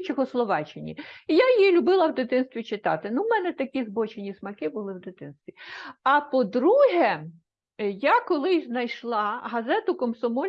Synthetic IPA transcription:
t͡ʃɔxɔslˠɔʋɑt͡ʃɪnʲḭjajilʲʊbɪlˠɐwd̪ɪt̪ɪnst̪ʋʲit͡ʃɪt̪ɑ̰t̪ɪnumɛnɛt̪ɐkʲizbɔt͡ʃenʲismɐkɪbʊlˠɪwd̪ɪt̪ɪnst̪ʋʲiɐpɔd̪ɾuɦɛ | jakɔlˠɪjznɐjʃlˠɑɦɐzɛt̪ʊkɔmsɔmɔ

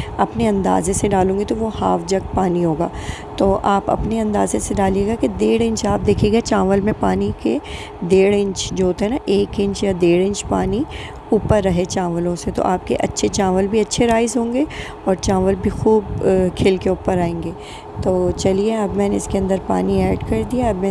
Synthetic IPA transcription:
ɐpneɐ̃nd̪a̰ːzẽseɖaːlõːŋɡet̪oʋohaːfd͡ʒɐk̚paːniɦoːɡaː | t̪oːʔaːpɐ̰pneɐ̃nd̪aːzẽseɖaːlieːɡaked̪eːɽɪ̃ɲt͡ʃaːp̚d̪eːkʰeːɡat͡ʃãːʋəlmẽpaːnike | d̪eːɽɪ̃ɲt͡ʃd͡ʒoɦoːt̪aɦɛnaʔeːkɪ̃ɲt͡ʃjad̪eːɽɪ̃ɲt͡ʃpaːni | uːpəɾːɐɦet͡ʃãːʋəlõset̪o̰ʔaːp̚kḛʔɐtːʃʰet͡ʃaːʋəlbʱiɐtːʃʰeɾaːɪzɦõːŋɡe | ɔːɾt͡ʃãːʋəlbʱixuːbkʰeːlkeuːpəɾaːẽːŋɡeː | t̪oːt͡ʃɐlieɐbmɛːneɪskeɐ̃nd̪əɾpa̰ːniɛːɖkɐɾd̪iaɐbmɛ̃

